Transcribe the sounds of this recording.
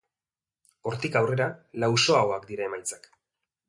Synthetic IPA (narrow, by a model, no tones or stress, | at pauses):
o̞ɾt̪ikawre̞ɾalawso̞aoakd̪iɾae̞majt͡sḁk